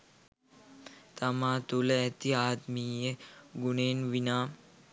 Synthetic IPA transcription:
t̪ɐmaːt̪uləɛt̪iaːd̪miːjəɡuneːnʋinaː

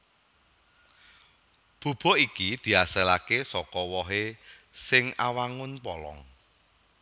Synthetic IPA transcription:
b̥o̤b̥ɔ̤ikid̪̥i̤aselakesɔkɔwɔɦe | sɪŋawaŋʊnpɔlɔ̰ŋ

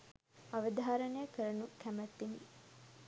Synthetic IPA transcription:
ɐʋəd̪ʱaːɾənəjəkəɾɐnukæmæt̪ːini

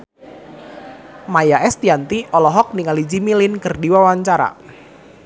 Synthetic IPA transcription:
majaʔɛst̪iant̪iʔɔlɔɦɔk̚niŋalid͡ʒimilɪnkərdiwawaɲt͡ʃaɾa̰

